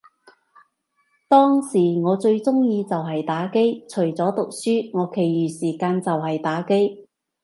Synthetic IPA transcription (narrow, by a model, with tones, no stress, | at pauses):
t̪ɔː˥ŋsiː˨˩ŋɔː˨˧t͡sɵ˧ɥt͡sʊ˥ŋjiː˧t͡sɐ˨wɦɐ˨jt̪aː˨˥ke˥jt͡ʃʰɵ˨˩ɥt͡sɔː˨˥t̪ʊ˨k̚syː˥ŋɔː˨˧kʰe˨˩jɥyː˨˩siː˨˩kaː˧nt͡sɐ˨wɦɐ˨jt̪aː˨˥ke˥j